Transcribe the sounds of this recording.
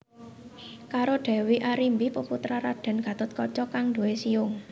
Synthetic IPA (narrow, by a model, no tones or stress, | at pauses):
kaɾoɖ̥ɛ̤wiʔaɾimbipəput̪ɾaɾad̥a̤nɡ̥a̤t̪ʊt̪̚kɔt͡ʃɔkaŋd̪uwesiʊŋ